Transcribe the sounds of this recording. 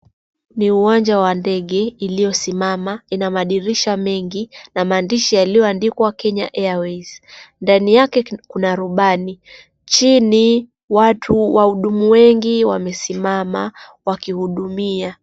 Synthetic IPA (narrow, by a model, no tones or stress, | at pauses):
niuwaɲd͡ʒawandɛɠɛilijɔsimamainamaɗiɾiʃamɛŋɡinamaːndiʃajalijɔandikwakɛɲa̰ʔɛawɛsndanijakɛkunaɾuɓani | t͡ʃini | watʰuwahuɗumuwɛŋɡiwamɛsimamawakihuɗumia